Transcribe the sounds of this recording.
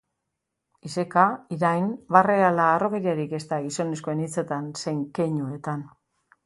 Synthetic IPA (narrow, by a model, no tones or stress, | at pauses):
ise̞kaiɾajnbarealaːro̞ɣeɾiaɾike̞st̪aɣiso̞ne̞skoe̞nit͡se̞t̪anse̞ŋkeɲue̞t̪an